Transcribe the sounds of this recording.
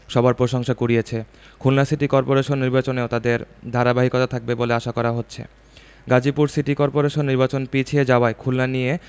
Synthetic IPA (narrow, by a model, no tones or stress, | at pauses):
ʃɔbaɾpɾoʃoŋʃakuɾijet͡ɕʰe | kʰulnasiʈikɔɾpoɾeʃonːiɾbat͡ɕoneot̪ad̪eɾd̪ʱaɾabaɦikɔt̪at̪ʰak̚beboleaʃakɔɾaɦotːɕʰḛ | ɡad͡ʑipuɾsiʈikɔɾpoɾeʃonːiɾbat͡ɕonpit͡ɕʰied͡ʑaoaekʰulnanie